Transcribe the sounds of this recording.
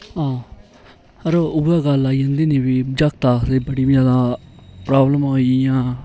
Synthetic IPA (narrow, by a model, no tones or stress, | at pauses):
ɦãː | əɾoʊaːɡəlaːid͡ʒãːnd̪iːneːbiːd͡ʒakt̪aːseːbəɽiːbiaːd̪ãːpɾaːbləmoːijãː